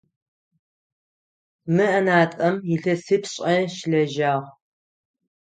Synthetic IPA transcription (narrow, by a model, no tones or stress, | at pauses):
mɨʔɐnaːtʼɐmjɪɬɐsɨpʰɕʼɐʃɬɐʒaːʁ